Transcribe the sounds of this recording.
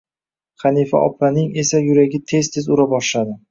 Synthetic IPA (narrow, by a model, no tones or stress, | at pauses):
χɑnifa̰ʔɒ̰planɪŋe̞sajʊɾaɡʲɪt̪ʰe̞zt̪ʰezʊɾabɒʃlad̪ɪ